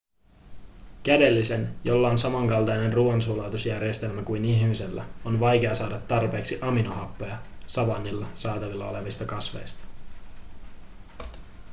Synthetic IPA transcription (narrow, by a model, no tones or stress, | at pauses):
k̟æde̞lːise̞njo̞lːɑonsɑmɑŋkɑlt̪ɑjne̞nruonsuːlɑːt̪usjærjest̪e̞lmækujniçmise̞lːæ̰o̞nʋɑjk̟e̞ɑsɑːdɑt̪ːɑrpe̞ːksiʔɑminohɑpːo̞jɑsɑʋɑnːilːɑsɑːt̪ɑʋilːɑo̞le̞ʋist̪ɑkɑsʋe̞̰jst̪ɑ̥